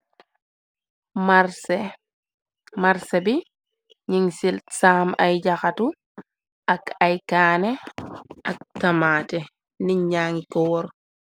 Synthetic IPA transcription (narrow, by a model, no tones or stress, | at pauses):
maɾs | maɾsebi | ɲiŋsilsaːmajd͡ʒaxatu | ʔakajkaːneʔak̚tamaːtɛ | niɲaːŋikɔwɔɾ